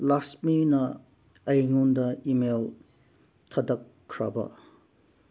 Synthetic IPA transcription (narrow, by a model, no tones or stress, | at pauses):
lasminɐ | ɐjŋundɐimel | tʰɐdɐkʰːɾa̰bɐ̰